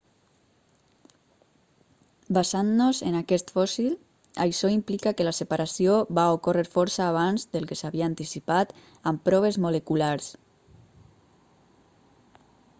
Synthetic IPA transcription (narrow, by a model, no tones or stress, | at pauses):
bazannozenakɛst̪fɔsil | a̰jʃɔimplikakelasepaɾasioβaokoreɾfɔɾsaːβ̞anzd̪elˠkesaβiaːnt̪isipat̪ | ampɾɔβezmolekulaɾs